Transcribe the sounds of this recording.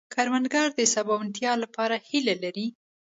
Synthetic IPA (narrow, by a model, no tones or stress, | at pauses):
kʰaɾmanɡaɾd̪əsabɑwant̪jɑlapɑɾahilalaɾi